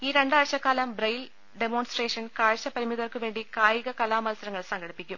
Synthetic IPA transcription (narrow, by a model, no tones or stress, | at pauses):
iːɾe̞ɳɖaːɻɕɐkːaːlɐmbrɐjl | ɖemoːnsʈreːʂɐnkaːɻɕɐpɐɾimiðɐrkɨʋe̞ːɳɖikaːjiɣɐkɐlaːmɐlsɐɾɐŋːɐɭsɐŋɡɐɽipːikʲːum